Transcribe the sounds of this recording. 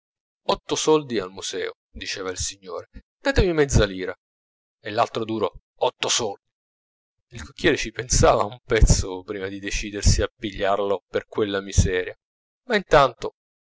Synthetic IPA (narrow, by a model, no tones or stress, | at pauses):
ɔt̪ːosɔld̪ialmuz̥ɛ̰ːo | d̪it͡ʃɛːvailsiɲːo̰ːɾed̪̥aːt̪emimɛd̪zːaliːɾa | elːalt̪ɾod̪uːɾo | ɔt̪ːosɔld̪i | ilkokːjɛːɾet͡ʃipensaːvaumpɛt̪sːopɾiːmad̪id̪et͡ʃiːd̪ersiapːiʎːarloperkwelːamizɛːɾja | maint̪ant̪o